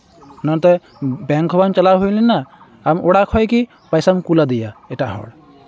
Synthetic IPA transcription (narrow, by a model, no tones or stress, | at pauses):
nɔ̃t̪ɔ | bɛ̃ŋkɔbant͡ʃəlaɦojlɛnnːa | amʔoɽakʰɔjki | pajsamkulad̪ijaeʈaɦɔ̰ɽ